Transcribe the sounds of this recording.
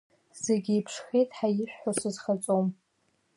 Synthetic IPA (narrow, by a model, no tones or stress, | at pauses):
z̥eɡʲɪipʰʂxejtʼħajɪʃʷᶣħʷasɨzχat͡sʼom